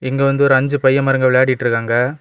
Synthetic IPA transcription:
ɪŋɡeʋɐnd̪ɯɔɾɯɐɲd͡ʒɯpɐjːɐmɐɾɐŋɡɐʋɪɭjaːɽɪjɪʈːɾɯkːaːŋɡɐ

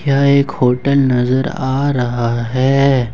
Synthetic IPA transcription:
kjaːeːkhoːʈəlnɐzəɾaːɾɐɦaɦɛː

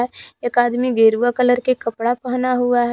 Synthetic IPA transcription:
ɛeːkaːd̪miɡeːɾuʋakələɾkekəpɽapəɦnaɦuaɦɛ

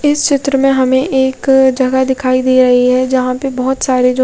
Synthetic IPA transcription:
ɪst͡ʃɪt̪ɾəmẽɦɐmẽʔeːkd͡ʒɐɡad̪ɪkʰaːid̪iːɾɐɦiɦɛd͡ʒɐɦãpebɐɦʊt̪saːɾed͡ʒo

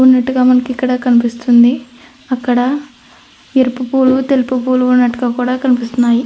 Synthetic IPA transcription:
unːɐʈːuɡaːmɐnɐkikːɐɽɐkɐnipist̪und̪i | ɐkːɐɽɐ | eɾipupuːlut̪elipupuːluunːɐʈːuɡaːkuːɽaːkɐnipist̪unːaːji

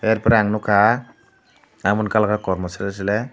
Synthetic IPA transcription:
ɛɾpɔɾɛaŋnʊkʰa | amɔnkalkaakɔɾmɔsaɾias̬ilɛ

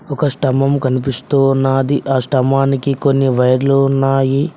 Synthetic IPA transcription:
ɔkɐsʈɐmɐmkɐnipist̪uːnːaːd̪iʔaːsʈɐmaːnikiko̞nːiʋɐjɐɾluunːaːji

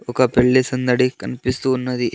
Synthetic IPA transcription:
okɐpeɭːisɐnd̪ɐɽikɐnpist̪uːnːɐd̪i

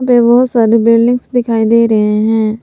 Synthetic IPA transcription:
peʋəɦsəɾebɪlɖɪ̃ŋɡsd̪ɪkʰaːiːd̪eːɾəɦeːɦɛ̃ː

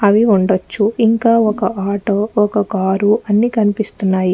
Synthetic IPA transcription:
ɐʋiuɳɖɐt͡ʃːuiŋkaːɔkɐʔaːʈoːɔkɐkaːɾuɐnːiːkɐnipist̪unːaːji

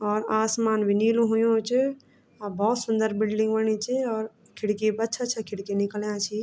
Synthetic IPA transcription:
ɔːɾaːsmaːnʋɪniːlũɦʊjõt͡ʃ | bɔːt̪sʊnd̪əɾbɪlɖɪ̃ŋɡʋəɳ̃it͡ʃʰiɔːɾ | kʰɪɽkebɐtːʃʰatt͡ʃʰakʰɪɽkenɪkəljãt͡ʃʰi

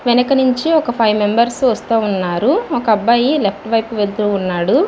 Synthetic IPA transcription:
ʋɛnɐkɐnuɲt͡ʃiɔkɐpʰɐjʋme̞mbɐɾsʋɐst̪uːunːaːɾuɔkɐɐbːaːjile̞p̚ʰʈʋɐjpuʋeld̪uunːaːɽu

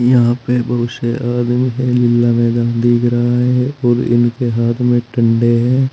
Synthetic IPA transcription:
jɐɦãpebʱəʋɪʃeʔaːd̪miɦɛ̃lɪlːamɛeːd̪ãːnd̪iːɡɾəɦaɦɛɔːɾɪ̰nkeɦaːt̪ʰmẽʈə̃ɳɖeɦɛ̃ː

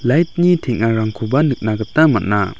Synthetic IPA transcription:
lajt̪̚ɲit̪ʰeʔŋaɾaŋkʰobanɯk̚nakət̪amaʔna

